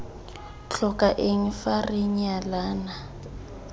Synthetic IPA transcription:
t͡ɬʰɔkʼaʔeŋ̩farɪɲalaːna

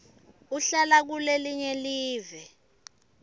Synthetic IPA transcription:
uɬalak̬uleliɲɛliːvɛ

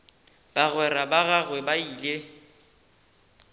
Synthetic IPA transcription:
b̥aɣwɛrabaɣaɣwɛbaiːle

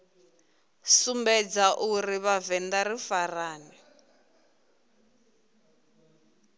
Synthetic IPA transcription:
sumbɛd͡zaʔuriβavɛndarifaraːnɛ

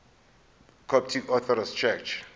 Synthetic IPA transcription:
kʰɔp̚tʰikɔθʰɔɾast͡ʃʰɛkt͡ʃʰ

